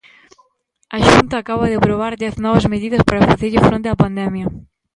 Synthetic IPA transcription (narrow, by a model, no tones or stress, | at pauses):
ɐʃunt̪ɐːkaβɐðɪpɾoβaɾðɛθnɔβɐzmeðiðɐspaɾafaθeʎɪfɾent̪eɐpand̪ɛmjɐ